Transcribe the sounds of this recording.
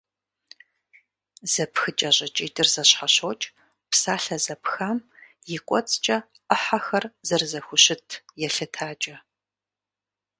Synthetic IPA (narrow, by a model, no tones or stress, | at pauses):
z̥ɐpxɨt͡ʃʼɐʑʼɐt͡ʃʼiːdɨrzɐɕħaɕoːt͡ʃʼ | psaːɬɐzɐpxaːm | jɪkʷʼɔ̰t͡sʼt͡ʃʼɐ | əħaxɐrzɐrzɐxʷʊɕɪtʰjɛɬɨtʰaːt͡ʃʼɐ